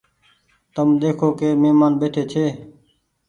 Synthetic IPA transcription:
t̪əmd̪eːkʰoːkeːmeːmaːnbeːʈʰeːt͡ʃʰeː

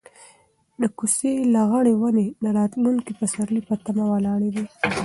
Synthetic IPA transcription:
d̪əkuselaɣaɽewanenaɾɑt̪luŋkipəsaɾlipat̪amawalɑɽed̪i

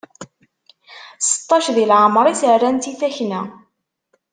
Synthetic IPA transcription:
sə̥t̪ˤːɑʃðilʕəmɾˤiθərænt̪iθæçnæ

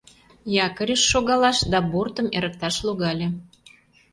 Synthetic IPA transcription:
jɑkəɾʲeʃːoɣɑlɑʃd̪ɑbort̪əmeɾə̆k̚t̪ɑʃloɣɑlʲe

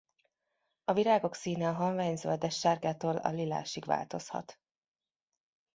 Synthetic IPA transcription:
ɒviɾaːɡo̞ksiːnɛɦoɱvaːɲzø̰ld̪ɛʃːaːrɡaːt̪oːlɒ̰lila̰ːʃiɡʋa̰ːlt̪o̞shɒ̰t̪

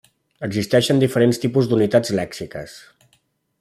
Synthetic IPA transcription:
əɡzist̪ɛʃənd̪ifəɾenst̪ipuzd̪unit̪ad͡zlɛksikə̰s

